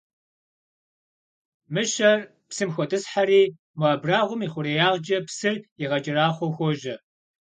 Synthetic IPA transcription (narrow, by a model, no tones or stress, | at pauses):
mɨɕɐr | psɨmxʷɔtʰʼɨsħaɾiː | mɐːbraːʁʷʊmiːχʷʊɾejaːʁd͡ʒɐpsɨriʁɐd͡ʒʼɪraːχʷɔwxʷɔʒɐ